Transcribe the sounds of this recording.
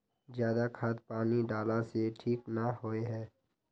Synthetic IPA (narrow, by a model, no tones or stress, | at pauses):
zjaːd̪akʰaːd̪̚paːniɖaːlaseʈʰiːknaɦoeɦɛː